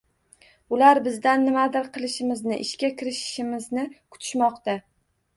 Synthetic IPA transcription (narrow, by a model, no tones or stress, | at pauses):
ʊlaɾbɪzd̪anːɪmad̪ɪɾqʰɨlˠɪʃɪmɪznɪʔɪʃkʲakʲʰɪɾɪʃɪ̥ʃɪmɪznɪkʰʊ̥t̪ʰɪ̥ʃmɒqt̪a